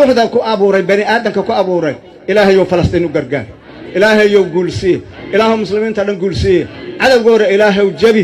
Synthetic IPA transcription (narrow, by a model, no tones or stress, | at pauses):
ʊːħðɐkʰʊʔɐβʊːɾɛjbɐnɪʔaːðɐmkʰɐkʰʊɐβuːɾɛj | ʔɪlaːɦɛjɔfɐlɐst̪iːnʊɡɐrɡa̰ːɾ | ʔɪlaːɦɛjɔwɡuːlsɪjɛʔɪlaːɦɔːmʊslɪmiːnt̪ʰɐɖɐŋɡuːlsɪjɛʕɑðɐwɣɔːðɐɪlaːɦɛwd͡ʒɐβɪ